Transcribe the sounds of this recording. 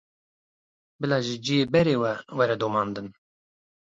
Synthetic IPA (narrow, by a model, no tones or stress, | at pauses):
bɨlɑːʒɪd͡ʒijeːbɛɾeːwɛwɛɾɛd̪omɑːnd̪ɨn